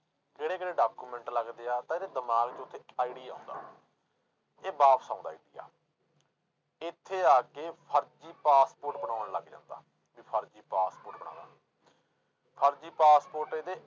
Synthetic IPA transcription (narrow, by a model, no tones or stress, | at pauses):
keːɽeːkeːɽeːɖaːkuːmɛ̃ːɳʈləɡd̪eːaːt̪ãɪːd̪eːd̪əmaːkd͡ʒʊt̪ʰːeːaːiɖiːã̰ːnd̪a̰ː | eːbaːpʰsãːnd̪aːɪd̪ḭja̰ː | ɪt̪ʰːeːaːkeːpʰəɾd͡ʒiːpaːspoːɾʈbəɳãːənləɡd͡ʒã̰ːnd̪a̰ː | biːpʰəɾd͡ʒiːpaːspoːɾʈbəɳã̰ːd̪a̰ː | pʰəɾd͡ʒiːpaːspoːɾʈeːd̪eː